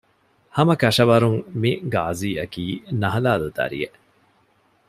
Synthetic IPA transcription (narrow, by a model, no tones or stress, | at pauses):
hɐmɐkɐʂɐʋɐɾuŋmiɡa̰ːziːɐkiːnɐɦɐlaːlud̪ɐ̰ɾḭeʔ